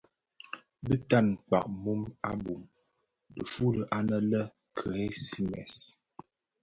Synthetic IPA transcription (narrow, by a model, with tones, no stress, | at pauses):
bə˦ta˦˨nk͡pa̰˨ʔmu˦ma˦bu˨m | də˨fu˦lə˨ʔa˦nə˦lə˦ | kʰə˨e˦si˦mɛ̰˨s